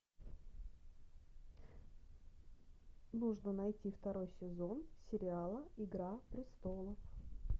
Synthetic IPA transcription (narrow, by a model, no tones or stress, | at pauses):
nuʐnənɐjtʲift̪ɐɾo̞jsʲɪzo̞nsʲɪɾʲɪalˠəɪɡɾapɾʲɪst̪o̞lˠəf